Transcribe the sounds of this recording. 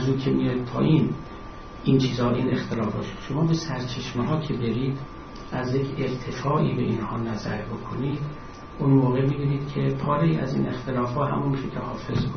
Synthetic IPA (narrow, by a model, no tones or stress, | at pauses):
zzuːd̪kʰemijɒjd̪̚pʰɒ̰ːʔiːn | int͡ʃʰiːzɒːbeʔiːne̞xt̪ʰelɒːfɒ̰ːʃi̥d̪ʃo̞mɒːbesæɾt͡ʃʰe̞ʃmeɦɒːcʰe̞be̞ɾiːd̪̥ | ʔæzjecʰeɾt̪ʰe̞fɒːʔḭːbe̞ʔinhɒːnæzæɾbo̞kʰoniːd̪ | ʔunmoːɣemibiːniːd̪̥kʲʰepʰɒːɾeiːæ̰zḭːnʔe̞xt̪ʰe̞lɒːfhɒːɦæ̰munmiʃekʰehɒːfe̞zbu